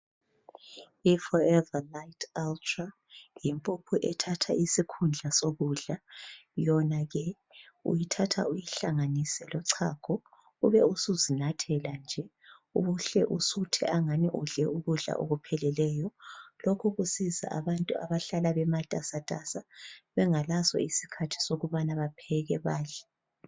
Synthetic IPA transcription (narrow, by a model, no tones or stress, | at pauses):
ifɔɛvalaitʰaltʰʼra | jimpʼupʰuʔɛtʰatʰa̰isikʰund͡ɮʱasoɣuɮajɔnaɣɛ | ṵjitʰatʰa̰ujiɬaŋanisɛlɔǀʰaːkʰɔ | uβɛusuzinatʰɛland͡ʒʱɛ | ṵβuɬɛʔusutʰɛʔaŋaniʔuɮɛuɣuɮa̰ʔo̰ɣupʰɛlɛlɛːjɔlɔkʰɔɣusiza̰ʔaβantʼuaβaɬalaβɛmatʼasatʼasaβɛŋalasɔ̰isi̥kʰatʰi̥soɣuβanaβapʰɛɣɛβaːɮa